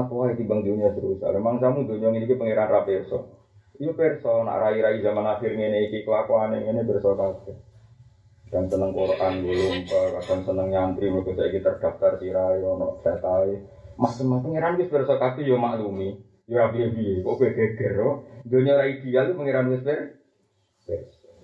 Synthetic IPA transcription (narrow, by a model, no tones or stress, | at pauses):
apoaikibaŋd̪uniad̪əɾusa̰lɛmaŋsamud̪oɲɔŋinikipəŋeɾanrapersɔ̰ | jopɛrsɔna̰ʔɾaiɾaizamanafirŋeneikikəlakoaneŋenepɛrsɔkakɛ | d̥ansənəŋkoɾʔanɡolumpakadaŋsənəŋɲant̪ɾimukesaʔikit̪ərd̪̥a̤ft̪arsiɾajɔnɔ̰ʔd͡ʒat̪ae | mahtəmapəŋeɾankɪspersɔkakɛjomaʔlumi | joɾabiebiekɔʔbeɡ̥eɡ̥ə̤rːɔnd̪oɲɔɾaid̪̥i̤alt̪upəŋeɾanɡespɛr | pɛrsɔ̥